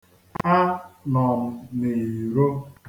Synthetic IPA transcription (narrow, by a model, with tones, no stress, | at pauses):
a˦nɔ˨m̩˨ne˨i˨ɾo˦